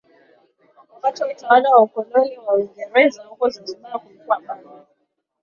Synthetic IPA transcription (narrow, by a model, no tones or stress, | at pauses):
akat͡ʃɔmitawaɗawaukɔnɔniwawiŋɡɛɾɛzahukɔzid͡ʒikaːkukwaɓa